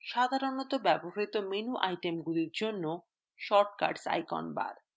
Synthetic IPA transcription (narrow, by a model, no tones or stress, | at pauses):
ʃad̪ʱaɾonɔt̪obɛboɦit̪omenuʔajʈemɡuliɾd͡ʑonːo | ʃɔɾʈka̰ɾɖsa̰jkɔ̰nba̰ɾ